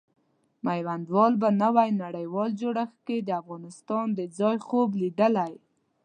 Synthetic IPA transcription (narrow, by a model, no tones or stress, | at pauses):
majwand̪wɑlbanawajnaɽəjwɑld͡ʒoɽəxked̪əafɣɑnɪst̪ɑnd̪əd͡zɑjxoblid̪əlaj